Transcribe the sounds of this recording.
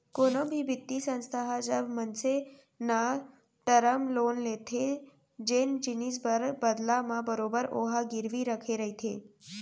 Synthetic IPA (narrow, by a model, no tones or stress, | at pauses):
konobʱibɪt̪ːisə̃nst̪ʰaɦad͡ʒəbmənse | na | ʈəɾəmlonlet̪ʰe | d͡ʒend͡ʒinis̬bəd̪lamãbəɾobəɾo̰ɦaɡɪɾʋiɾəkʰeɾəɦit̪ʰḛ